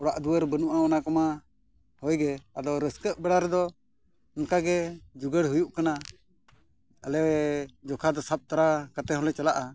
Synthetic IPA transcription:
ɔɽaʔd̪uwəɾbənuʔaɔnakɔma | hɔjɡɛad̪ɔɾəskəʔ̚bɛɽaɾɛd̪ɔ | ŋkaɡɛd͡ʒuɡəɽɦujuʔkana | əlɛwɛd͡ʒɔkʰad̪ɔsap̚t̪aɾakat̪ɛɦɔlɛt͡ʃalaʔa

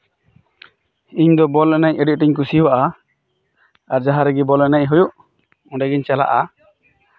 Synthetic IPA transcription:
iɲd̪ɔbɔlɛnɛɲəɖiʔ̚ˀʈiɲkusiwaʔa | aɾd͡ʒaɦaɾɛɡɛbɔlɛnɛɲɦujuʔ | ɔ̃ɖɛɡɛɲt͡ʃala̰ʔa

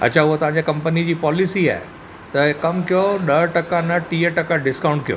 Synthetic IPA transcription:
ɐ̰t͡ɕʰaʊɦot̪ɐʋ̤ãɲd͡ʑekɐ̃mpənid͡ʑiːpɔːlisia̰ːe | t̪ɐkɐmkijoɗɐɾʈɐkanɐʈiːəʈɐkaɖɪskãːʊ̃ɳʈ̚kijo̰ː

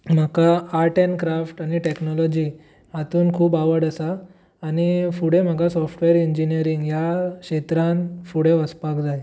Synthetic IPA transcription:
m̤əkaaʈenkɾafʈaɽ̃iʈeknɔlɔd͡ʑi | at̪uːnkʰuːbaʋəɾɽəsaː | ñifuɽem̤akasɔfʈʋeɾiɲd͡ʑinijəɾiŋɡjakɕet̪ɾãnfuɽeʋəspakd͡zaj

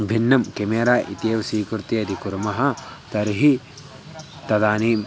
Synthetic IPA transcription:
bʱinːɐmkemeːɾaːʔḭt̪eːʋɐsiːkɾut̪iɐd̪ʱikuɾɐmɐɦɐt̪ɐɾɦi | t̪ɐd̪aːniːm

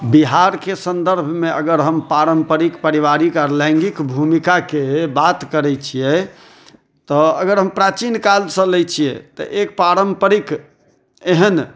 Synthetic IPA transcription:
biɦaɾkesənd̪əɾbʱmeəɡəɾɦəmpaɾəmpəɾikpəɾiʋaɾikaɾlɛ̃ŋɡikbʱumikakebat̪kəɾɛt͡ʃʰijɛ | t̪ɔəɡəɾɦəmpɾat͡ʃinkalsə̃lɛjt͡ʃʰijɛt̪ɔ̰ʔek̚paɾəmpəɾik | eɦən

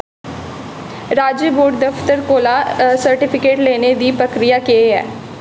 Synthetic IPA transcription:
ɾaːd͡ʒəboːʈ̚d̪əft̪əɾkoːlaːsəɾʈɪpʰɪkeːʈleːned̪iːpɾəkɾijaːkeeɛ̰ː

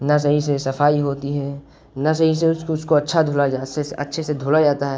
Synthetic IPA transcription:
nɐs̬ɐɦisesɐfʰaːiɦoːt̪iɦɛ | nas̬ɐɦiseʊʊskoɐtːʃʰad̪ʱoːlad͡ʒaseɐ̰tːʃʰesed̪ʱoːlad͡ʒaːt̪aɦɛː

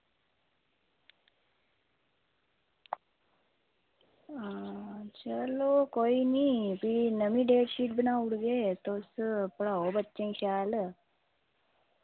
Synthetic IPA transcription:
t͡ɕəlokoinipiɽinəmiɖeːʈɕiːʈ̚binauɽɡet̪ospuɽaɦobətːt͡ʃeŋɕaːl

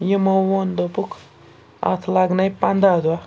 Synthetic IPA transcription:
jimowond̪opukʰ | a̰t̪ʰlaɡnajpand̪ad̪ua

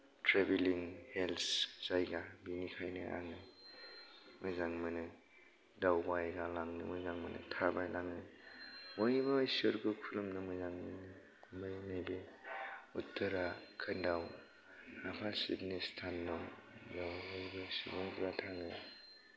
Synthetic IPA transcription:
tʰɾebeliŋhelsz̥ajɡabinikʰajnɯʔa̰ŋɯ | mɯjzaŋmɯnɯ | dawbajɡalaŋnɯmojzaŋmɯ̰nɯ̰tʰabajlaŋɯmojbɯsɯɾɡukʰulumnɯmɯjzaŋmɯnɯ | mɯjnajbe | utːɯɾakʰɯndaw | apʰasitnistʰanːɯzawojbɯsibuŋtɾatʰaŋɯj

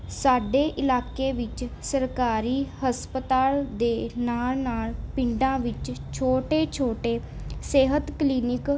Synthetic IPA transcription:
saːɖeːʔɪlaːkeːʋɪt͡ʃsəɾkaːɾiːhəspət̪aːld̪eːnaːlnaːlpɪ̃ɳɖãːʋɪt͡ʃt͡ʃʰoːʈeːt͡ʃʰoːʈeː | seːɦət̪kliːnɪk

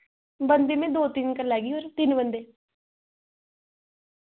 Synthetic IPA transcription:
bənd̪eːmẽːd̪oːt̪ɪnkəɾlɛːɡiːoːɾt̪ɪnbənd̪eː

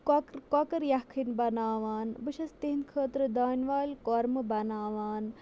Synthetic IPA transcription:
kokɾkokɐɾjakʰinbɐnaːʋaːnbɨʃɐst̪iɦinkʰəːt̪ɾɐd̪aːnʋaːlʲkoːɾmɨbɐnaːʋaːn

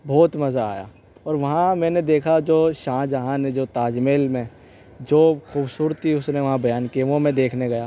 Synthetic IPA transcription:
bʱɔːt̪mɐza̰ːja̰ː | ɔːɾʋɐɦãmɛ̃ːned̪eːkʰad͡ʒoːʃãːd͡ʒɐɦãnẽd͡ʒoːt̪aːd͡ʒmeːlmẽ | d͡ʒoːxuːbsuːɾət̪iʊsneʋɐɦãbɐjaːnkieʋomɛ̃d̪eːkʰneɡɐjaː

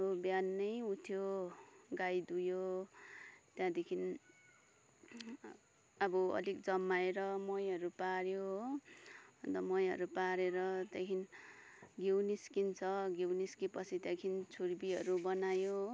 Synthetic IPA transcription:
objanːʌjut̪ʰjo | ɡajd̪ujo | t̪jãd̪ekʰin | ʌbʌʌ̰likd͡zʌmːaeɾʌmʌjɦʌɾupaɾjo | bʌnd̪ʌmʌjɦʌ̰ɾupaɾeɾʌt̪jãkʰin | ɡewniskint͡sʰʌɡewniskipʌt͡sʰit̪jãkʰint͡sʰurbiɦʌ̰ɾubʌnajo

